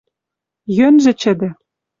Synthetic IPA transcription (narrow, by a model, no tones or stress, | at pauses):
jønʒɘ̆t͡ɕɘ̆d̪ɘ̆